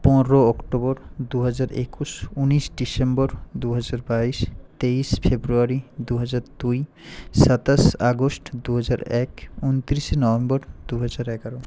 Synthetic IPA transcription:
pɔ̃ɾoɔkʈobɔɾd̪uɦad͡ʑaɾḛkʰuʃuniʃɖisembɔɾd̪uɦad͡ʑaɾbaiʃt̪eiʃfebɾuaɾid̪uɦad͡ʑaɾd̪uj | sat̪aʃa̰ɡosʈd̪uɦad͡ʑaɾɛkunt̪ɾiʃenɔbembɔɾd̪uɦad͡ʑaɾɛɡaɾo

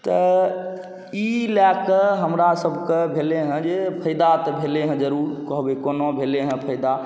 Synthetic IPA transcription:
t̪ə | ilɛkəɦəmɾasəbʱkebʱeleɦə̃d͡ʒepʰəɪd̪at̪əbʱeleɦə̃d͡ʒəɾuɾkəɦbekonobʱeleɦə̃pʰəɪd̪a

